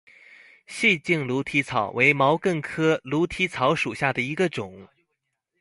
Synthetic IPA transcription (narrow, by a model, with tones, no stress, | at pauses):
ɕi˥˧t͡ɕi˥˩ŋlu˧˥t̪ʰi˧˥t͡sʰɑ˨˩ʊwʔe˧˥ɪmɑ˧˥ʊkə˥˩ŋkʰɤ˥lu˧˥t̪ʰi˧˥t͡sʰɑ˧˥ʊʂu˨˩ɕja˥˩d̪ə˩i˧˥ɡə˧ʈ͡ʂʊ˨˩˦ŋ